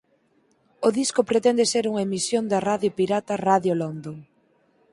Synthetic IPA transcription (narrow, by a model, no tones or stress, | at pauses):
oðiskʊpɾet̪ɛnd̪eseɾuŋɐemisjond̪ɐraðjopiɾat̪ɐraðjolond̪oŋ